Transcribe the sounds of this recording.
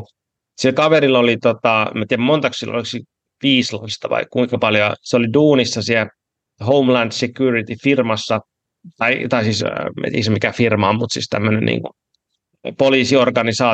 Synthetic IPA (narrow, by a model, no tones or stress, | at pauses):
silkɑʋerilolit̪ot̪ɑḛmːæt̪iæmmont̪ɑkssilːo̰liksi | ʋiːsloist̪ɑʋɑ̰ikkuikɑpɑljoseoliduːnisːɑsiæ | houmlænd̥sekjurit̪ifirmɑsːɑ | t̪ɑit̪ɑisiːsmæ̰t̪ismikæfirmɑommut̪sḭːst̪æ̰mːønenʔḭːŋku | poliːsiorɡɑnisɑː